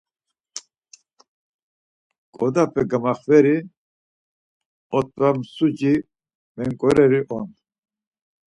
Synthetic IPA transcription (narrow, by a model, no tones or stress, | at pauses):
kʼɔd̪apʰɛɡamaχvɛɾi | ɔt̪̚ʼvamsud͡ʒi | mɛŋkʼɔɾɛɾiʔɔn